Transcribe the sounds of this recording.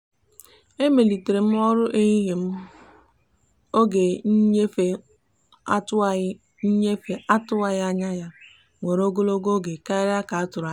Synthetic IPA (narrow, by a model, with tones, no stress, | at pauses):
e˦me˨li˨te˨ɾe˨m̩˦ɔ˦ɾʊ˦ʔe˦ɣi˦ɦe˨m̩˦ | o˦ɡe˨˦e˦fe˨ | a˦t | ɲ̩˦ɲe˦fe˦ʔa˦tʊ˦a˦ja˦ɲa˦ja˦ | ŋʷe˨ɾo˦ɡo˦lo˦ɡo˦ɡe˨ka˦ɪ˦ɾa˦ka˨a˦tʊ˨ɾa˨˦